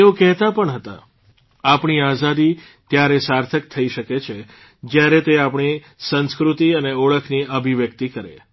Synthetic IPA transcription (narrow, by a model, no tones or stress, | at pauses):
eokɛɦt̪apəɳɦət̪a̰ | apɳiazad̪i | t̪jaɾesaɾt̪ʰək̚t̪ʰəiʃəket͡ʃʰe | d͡ʒjaɾet̪eapɳ̃i | sə̃nskɾut̪iəneɔɭəkʰniəbʱiʋjək̚t̪ikəɾḛ